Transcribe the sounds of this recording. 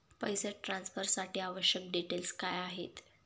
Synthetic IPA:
pəjseʈɾãnsfəɾsaʈʰiːaʋəɕjək̚ɖiʈelskajaɦet̪

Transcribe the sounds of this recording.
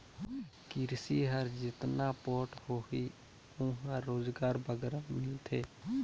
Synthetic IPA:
kɪɾsiːɦəɾd͡ʒɪt̪naːpɔːʈhoːɦiː | ʊ̃ɦãːoːzɡaːɾbʱəɡɾaːmɪlt̪ʰeː

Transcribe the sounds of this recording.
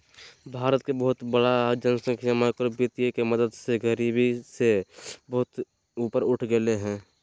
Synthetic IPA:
bʱaːɾət̪̚kebəɦʊt̪bəɽad͡ʒənsə̃ŋkʃəmakɾbit̪jekeməd̪əd̪seɡəɾibisebəɦʊt̪ | uːpəɾʊʈʰɡəleɦɛ̃ː

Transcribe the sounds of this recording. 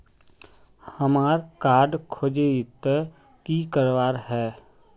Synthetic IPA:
həmaːɾkaːɾɖkʰoːd͡ʒeɪt̪ | kikəɾʋaːɾɦɛː

